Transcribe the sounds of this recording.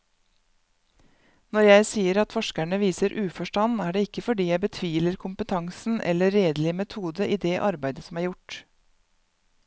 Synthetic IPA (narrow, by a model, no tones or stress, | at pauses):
nɔɾjæɪsiːəɾɑt̪fɔʃkæɳəʋiːsəɾʔʉːfɔʃʈɑnæːɖeːɪkəfɔɖiːjæɪbət̪ʰʋiːləɾkʰʊmpət̪ʰɑŋsn̩ʔɛ̰ləɾeːd̪lɪmɛt̪ʰuːd̪əʔiːd̪eːʔɑɾbæɪd̪əsɔmæːɾjʊʈ